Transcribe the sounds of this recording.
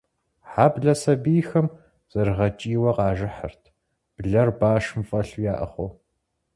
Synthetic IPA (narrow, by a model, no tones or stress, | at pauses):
ħaːbɮɐsɐbiːxɐm | z̥ɐɾʁɐt͡ʃʼiːwɐqɑːʒɪħə̰rtʰ | b̥ɮɐrbaːʂɨmfʼɐɬujaːʔɐ̰χʷo